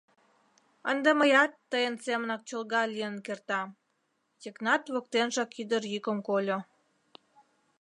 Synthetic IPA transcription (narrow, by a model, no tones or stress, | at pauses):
ənd̪eməjɑt̪ːəjənsemənɑk̚t͡ɕolɣɑlʲijənkert̪ɑ | t̪ʲiknɑt̪βok̚t̪enʃɑkyd̪ərjykə̆mkolʲo